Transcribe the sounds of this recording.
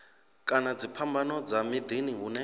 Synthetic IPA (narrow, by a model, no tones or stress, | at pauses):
kʼanad͡zipʰambanɔd͡zamid̪iniɦunɛ